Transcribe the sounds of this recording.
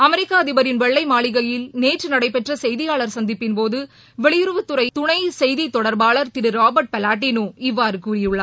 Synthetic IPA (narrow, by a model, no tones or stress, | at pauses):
ɐmɛɾɪkːaːɐðɪbɐɾɪnʋɛɭːɐɪmaːɭɪɣɐjɪlneːʈrɯnɐɽɐɪpːɛʈrɐsɛjðɪjaːɭɐɾsɐnd̪ɪpːɪnpoːðɯ | ʋɛɭɪjɪɾɯʋɯt̪ːʊɾɐɪt̪ʊɳɐɪsɛjðit̪ːɔɽɐɾbaːɭɐɾt̪ɪɽɯɾaːbɐɾʈ̚pɛlaːʈ̬ːiːnoːɪʋːaːɾɯkuːrɪjɯɭːɐ